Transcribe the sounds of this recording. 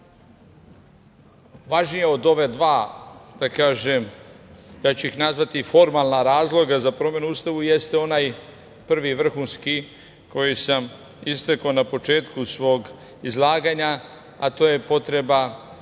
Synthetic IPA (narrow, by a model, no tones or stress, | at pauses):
ʋaʒnije̞o̞d̪o̞ʋe̞d̪ʋaːd̪̥akaːʒem | jaːt͡ɕuixnazʋat̪ifo̞ɾmalˠnaɾaːzlˠo̞ɡazapɾo̞mje̞nuust̪aʋuje̞st̪eo̞naːj | pr̩ʋiʋr̩xunski | ko̞jisam | ist̪eko̞ːnapo̞t͡ʃe̞ːt̪kusʋo̞ːɡ | izlˠaːɡaɲa | at̪o̞ːje̞po̞t̪ɾe̞ba